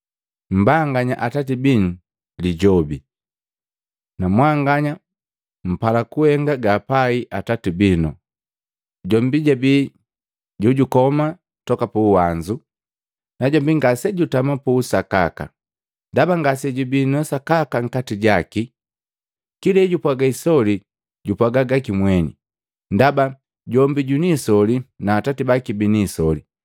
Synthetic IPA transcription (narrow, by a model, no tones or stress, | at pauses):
m̩baŋɡaɲa̰ʔatatibinu | liɟɔbi | namwaŋɡaɲa | m̩palakuhɛŋɡaɡaːpaiʔatatibinɔ̰ | ɟɔmbiɟabi | ɟuɟukɔma | tɔkapuːwaɲd͡ʒu | naɟɔmbiŋɡasɛɟutamapuːsaka̰ka̰ | ndabaŋɡasɛɟubinɔsakakaŋ̩katiɟaki | kilɛɟupwaɡaisɔli | ɟupwaɡaɡakimwɛnḭ | ndaba | ɟɔmbiɟunisɔlinaːtatibakibiniːsɔli